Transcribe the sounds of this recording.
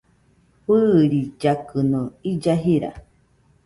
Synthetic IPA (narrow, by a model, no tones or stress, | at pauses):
ɸɨɾid͡ʒakɨnũid͡ʒaɦiɾa̰